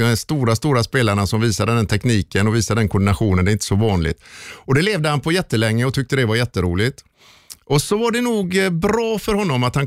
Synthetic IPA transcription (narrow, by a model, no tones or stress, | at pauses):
ɛst̪uːɾast̪uːɾaspeːlaɳasɔmviːsad̪əd̪ɛnt̪ʰɛkniːkənɔviːsad̪əd̪ɛnkʰɔnd̪ɪnaɧuːnənd̪ɛɪnt̪əsɔvɑːnlɪ̰t̪ɔd̪ɛleːvd̪əhanpʰɔjɛt̪ːəlɛŋːəɔt̪ʰʏk̚t̪əd̪ɛvaɾjɛt̪ːəɾuːlɪt̪ | ɔsɔvaɖɛnuːɡbɾɑːfœɾhɔnːɔmat̪han